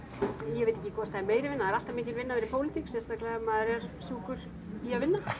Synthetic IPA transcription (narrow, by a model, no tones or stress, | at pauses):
jjɛveːt̪e̥cːɪkʰvɔɾ̥t̪aɛɾmeːjɾɪvɪnːaaɛɾal̥t̪amɪːcɪlvɪnːavɛːɾɪpʰoːwlɪt̪iksɛst̪aklɛɣamaðɛɾɛɾ̥suːkʏɾ̥ | iavɪnːa